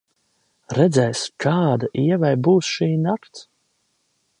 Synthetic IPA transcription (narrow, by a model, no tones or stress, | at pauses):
ɾɛd̪zʲɛjskʰaːd̪aʔiɛvajbuːsʃiːnakt̪s